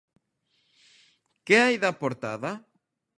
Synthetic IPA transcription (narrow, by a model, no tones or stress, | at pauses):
keajðapoɾt̪a̰ða